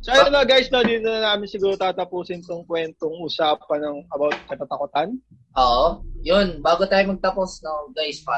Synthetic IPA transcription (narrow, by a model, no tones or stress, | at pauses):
sɐʔɐjonːɐɡajsnod̪iːt̪onɐnaːmɪnsɪɡuːɾot̪aːt̪ɐpuːsɪnt̪oŋkwɛnt̪oŋʔuːsaːpɐnɐŋɐbawt̪̚kɐt̪at̪ɐkot̪ɐn | ʔoːʔojonbaːɡot̪aːjomɐɡ̚t̪ɐposnɐŋɡajspɐ